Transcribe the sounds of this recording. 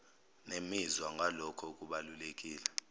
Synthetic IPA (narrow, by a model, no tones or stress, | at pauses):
nemizwaŋɡʱalɔkʰɔukʼuɓalulekʼiːla